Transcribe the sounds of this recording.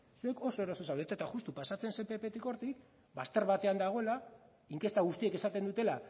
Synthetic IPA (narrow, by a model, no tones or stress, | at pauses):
sue̞ko̞so̞eɾoso̞sawlet̪aet̪axust̪upasat͡se̞nse̞mpe̞pe̞t̪iko̞ɾt̪ik | bast̪e̞ɾβat̪e̞and̪aɣ̞o̞e̞la | iŋke̞st̪aɣ̞ust̪ie̞ke̞sat̪e̞nd̪ut̪e̞la